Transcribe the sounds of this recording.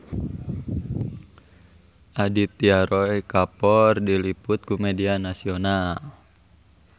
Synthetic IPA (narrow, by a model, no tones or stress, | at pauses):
ʔadit̪ːiaɾoikapɔrdiliput̪̚kumedianasional